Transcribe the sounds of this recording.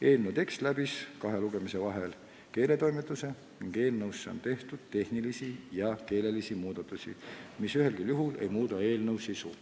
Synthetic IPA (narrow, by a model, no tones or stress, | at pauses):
e̞ːlnəwt̪e̞kst̪læb̥iskɑɦe̞luɡ̥e̞mise̞vɑɦe̞l | ke̞ːle̞t̪o̞jmet̪ːˑuse̞ | niŋɡ̥e̞ːlnɤwsːeo̰nt̪e̞ht̪ud̪̥̚t̪e̞hnilisijɑke̞ːle̞lisimuːd̪̥ɑt̪ːˑusʲḭmisyɦe̞lkiljuɦule̞̰jmuːd̪ɑe̞ːlnɤwsːisu